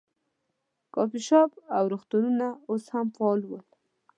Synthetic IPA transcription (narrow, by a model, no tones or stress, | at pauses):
kɑpiʃɑbawɾoxt̪ununaoshamfɑlwəl